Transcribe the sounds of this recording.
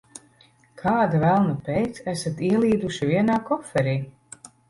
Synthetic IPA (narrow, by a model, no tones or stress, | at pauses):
kʰaːd̪avælˠnapɛjt̪sæsat̪iɛlˠiːd̪uʃivʲiɛnaːkɔfɛɾiː